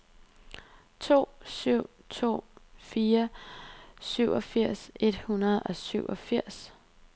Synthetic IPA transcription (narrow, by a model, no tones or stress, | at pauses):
t͡sʰo̝̰ːsyʊ̰ | t͡sʰo̝̰ːfiːɐ | syʊ̰ʔɒ̽fiɐ̰se̝d̥hunɐð̞̩ˠɒ̽syʊ̰ʔɒ̽fiɐ̰s